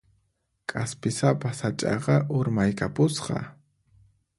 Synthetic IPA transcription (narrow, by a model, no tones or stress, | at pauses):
kʼaspɪsapasat͡ʃʼɑ̰qɑʔʊɾmajkapʊsqɑ̰